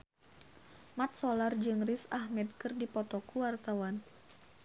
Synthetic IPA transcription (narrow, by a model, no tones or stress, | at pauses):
mat̪̚sɔlard͡ʒɨŋrisahmɛd̪̚kɨrdipɔt̪ɔkuwart̪awan